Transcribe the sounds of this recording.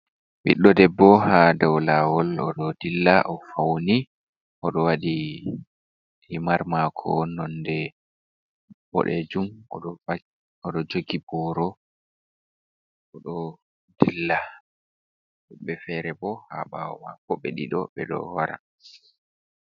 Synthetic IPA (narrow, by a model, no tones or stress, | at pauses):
ɓḭɗːɔdɛbːɔɦadawlawɔlɔɗɔdilːaʔɔfawni | ʔɔɗɔwaɗi | himaɾmakʰɔnɔndɛ | bɔ̰ɗɛd͡ʒumɔ̰ɗɔ | ɔɗɔd͡ʒoɡibɔɾɔ | ɔɗɔ | dilːa | ɓɛfɛɾɛbɔha̰ɓa̰wɔwa̰kɔɓeɗḭɗɔɓɛɗɔ̰waɾa̰